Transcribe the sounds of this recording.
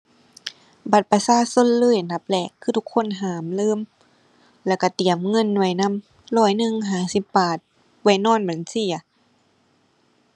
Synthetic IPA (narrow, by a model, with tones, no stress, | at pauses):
ba˨˩t̪̚pa˧saː˧˥˨so˧˥˨nlɤː˧˥˨jna˧˦p̚lɛː˧˩kʰːɯː˧t̪u˧kʰːo˧˥˨nɦaː˨˦mlɤː˧˥˨m | lɛː˧˩˨wka˧˩t̪i˨˦əmŋɤ˧˥˨nːwjna˧˥˨m | lɔː˧˩jnɯ˧˨ŋɦaː˨˩˦si˧˦pːaː˨˩t̪̚ | wa˧˩jnɔː˧˥˨nba˨˩˦nsi˧˩ɐ˨